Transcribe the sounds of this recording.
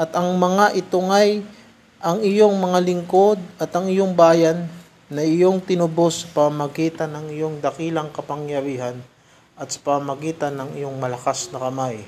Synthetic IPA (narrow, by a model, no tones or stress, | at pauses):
ʔɐt̪ɐŋmɐŋaʔɪt̪ʊŋaj | ʔɐŋɪjo̞ŋmɐŋalɪŋko̞d̪̚ɐt̪ɐŋɪjo̞ŋbaːjɐnː | ɐɪjo̞ŋt̪ɪnʊbo̞sːɐ̥pɐmmɐɡiːt̪ɐnɐŋɪjo̞ŋd̪ɐkiːlɐŋkɐpɐŋjɐɾiːɦɐn | ʔɐt̪sɐ̥pɐmɐɡiːt̪ɐnːɐŋɪ̰jo̞ŋmɐlɐkasnɐkɐmaj